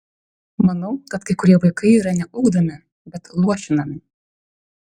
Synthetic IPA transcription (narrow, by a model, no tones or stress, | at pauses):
mɐnɐʊkɐt̪kɐɪkʊɾʲiɛʋɐɪkɐɪiːɾɐnʲɛʊɡd̪ɐmʲɪ | bʲɛt̪lˠuɔʃʲɪnɐmʲɪ